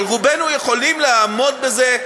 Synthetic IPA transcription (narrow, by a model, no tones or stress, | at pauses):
lʁubenuje̞χo̞limleaːmo̞d̪be̞ze